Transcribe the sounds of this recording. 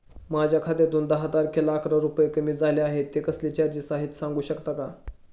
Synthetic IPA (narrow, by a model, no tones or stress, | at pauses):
mad͡ʑʱjakʰat̪et̪uːnd̪əɦəd͡z̪aɾkʰelakʰɾaɾupəjekəmiːd͡zaleaɦet̪ːekəslit͡ɕaɾd͡ʑiːsaɦit̪sãŋɡuːɕəkt̪aka